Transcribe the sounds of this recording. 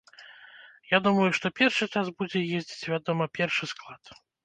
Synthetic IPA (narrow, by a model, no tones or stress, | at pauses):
jad̪umɐjuʂt̪ɔpʲɛrʂɨt͡ʂasbud͡zʲɛjezʲd͡zʲit͡sʲvʲad̪ɔmɐpʲɛrʂɨsklˠat̪